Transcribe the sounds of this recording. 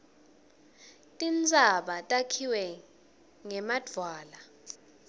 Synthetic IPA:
tʼind͡zʱaɓatʼakʰiwɛ | ŋɛmad̥ʱwaːla

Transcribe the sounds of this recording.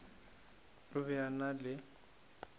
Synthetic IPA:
lʊβɛanalɪ

